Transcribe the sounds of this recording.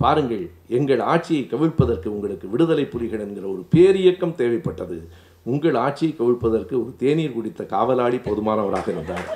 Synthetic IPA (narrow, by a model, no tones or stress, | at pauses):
paːɾɯŋɡɐɭ | ɛŋɡɐɭaːʈ̚t͡ʃːɪjɐɪkːɐʋɪɻpːɐðɐrkɯʊŋɡɐɭɯkːɯʋɪɽɯðɐlɐɪpːʊlɪɣɐɭɛnɡɪrɐɔɾɯpeːɾɪjɐkːɐmt̪eːʋɐɪpːɐʈːɐðɯ | ʊŋɡɐɭaːʈ̚t͡ʃːɪjɐɪkːɐʋɪɻpːɐðɐrkɯɔɾɯt̪eːniːɾkʊɽɪt̪ːɐkaːʋɐlaːɭipɔðɯmaːnɐʋɐɾa̰ːɣɐɪɾɯnd̪aːɾ